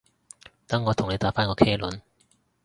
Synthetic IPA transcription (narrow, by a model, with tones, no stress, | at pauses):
t̪ɐ˨˥ŋːɔː˨˧t̪ʰʊ˨˩ŋn˨˧jt̪aː˨˥faː˥nkɔː˨˧kʰeː˥lɵ˨˥n